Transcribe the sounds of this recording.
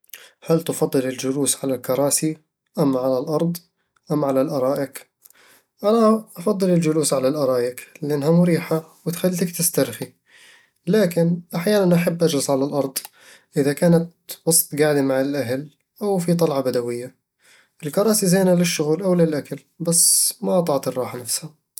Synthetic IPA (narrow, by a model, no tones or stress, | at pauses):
halt̪ɪfɑd̪ˤːɨlɪld͡ʒʊluːsʕalalkɑɾˤɑːsi | ʔamːʕalalʔɑɾˤd̪ˤ | ʔamːʕalalʔɑɾˤɑːʔɪk | ʔanaʔɑfɑd̪ˤːɨlɪld͡ʒʊluːsʕalalʔɑɾˤɑːjɪklɪʔanːhamʊɾiːħawɪt̪xalːt̪akt̪ɪst̪aɾxi | laːkɪnʔaħjaːnanʔaħabːʔad͡ʒɾɪsʕalalʔɑɾˤd̪ˤ | ʔɪðakaːnat̪ | wɑsˤt̪ˤɡaʕd̪imaʕalʔaɦal | ʔawfit̪ˤɑlʕɑbad̪awɪjːa | ʔɪlkɑɾˤɑːsizajːnalɪʃːʊɣuːlʔawlɪlʔakal | basːmaʔɑt̪ˤɑʕt̪ˤɨrˤːɑːħanafsha